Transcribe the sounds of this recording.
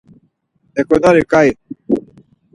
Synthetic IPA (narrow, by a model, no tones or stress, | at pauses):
ɛkɔnaɾekaje